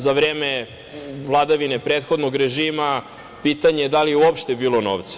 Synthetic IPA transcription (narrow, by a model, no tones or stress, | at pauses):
zaʋɾeːme | vlˠad̪aʋine̞pɾet̪xod̪noɡɾe̞ʒiːma | pit̪aɲejed̪alijeuopʃt̪e̞biːlˠo̞no̰ːʋt̪sḁ